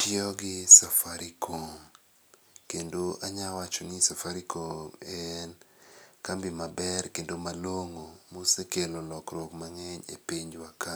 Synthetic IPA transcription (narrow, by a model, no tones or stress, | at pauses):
pɪɔɡɪsafaɾikʰoŋ | kendoʔaɲawat͡ʃɔnɪsafaɾikʰoŋɛnkambimabɛrkendomaloŋomosekelolɔkɾokmaŋɛɲḛpiɲd͡ʒwaka